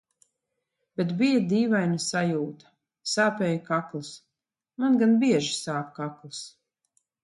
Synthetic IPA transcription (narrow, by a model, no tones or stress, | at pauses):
b̥et̪bijad̪iːvajnasajuːt̪ḁ | saːpɛːjakaklis | manɡanbiɛʒi̥saːkkaklˠɨs